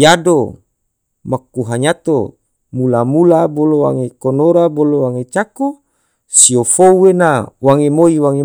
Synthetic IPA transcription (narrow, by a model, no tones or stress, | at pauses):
jado | makuɦaɲat̪o̰ | mulamulabolowa̰ŋekonoɾabolowaŋet͡ʃako | siofouwenawaŋemoiwaŋe